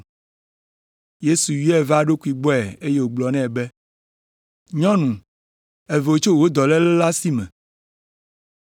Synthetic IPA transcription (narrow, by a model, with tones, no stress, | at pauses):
je˦su˨wi˦ɛ˨va˦ɖo˦ku˨˦i˨ɡ͡bɔ˦ɛ˨e˦je˦wo˨ɡ͡blɔ˨nɛ̃˦ɛ˨be˦ | ɲɔ̃˦nũ˨ | e˨vɛ˨wo˨t͡ʃo˦wo˦d̪ɔ˨lɛ˦lɛ˦la˦si˦mɛ̰̃˨